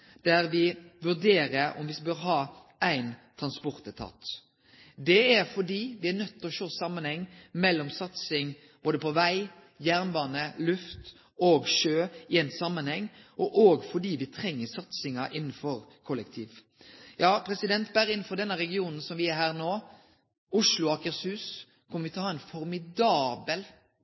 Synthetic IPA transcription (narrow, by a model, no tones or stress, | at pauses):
d̪̥æɾʋɪʋʉd̪eːɾəɾɔ̰mʋɪsbøːɾɦɑːæɪnt̪ʰɾɑnspɔɾt̪ət̪ʰɑ̰ːt̪ | d̪ɛæɾfɔɖiːʋɪæɾnœt̪ːɔʃoːsɑmːənhɛŋːmɛlːɔmsɑt̪sɪŋ | b̥oːd̪əpʰɔʋæɪ | jæʁnbɑːnəlʉft̪ | oːɡʃøːɪɛnsɑmːənhɛŋːʔɔʔoːɡfɔɖ̪iːʋɪt̪ʰɾɛŋːəsɑt̪sɪŋɑʔɪnːnfɔɾkʰɔlːəkt̪ʰiːʋ | jɑːpʰɾɛsɪd̪ɛnt̪bæɾɪnːnfɔd̪ɛnːəɾɛɡɪuːnn̩sɔmʋɪæɾɦæːɾnoː | ʊʂlʊɑːkəɾshʉːs | kʰɔmːəɾʋɪt̪ʰhɑːɛnfɔɾmɪd̪ɑːbəl